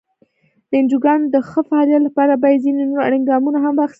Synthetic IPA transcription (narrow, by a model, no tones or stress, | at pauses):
d̪̥əɪnd͡ʒuɡɑnd̪əxəfaɑlijat̪lapɑɾabɑjad̪zinenoɾa̰ɽiŋɡɑmunaɦamwɑxi̥st̪